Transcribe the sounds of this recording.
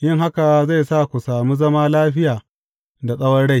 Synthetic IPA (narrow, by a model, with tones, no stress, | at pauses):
jɪ˦ŋɦa˦ka˨za˦˨jsaː˦kʷu˨saː˨muː˦zɐ˦maː˦laː˦ɸɪ˦jaː˨ | da˨sʼɐ˦wɐ˦rɽa˦˨j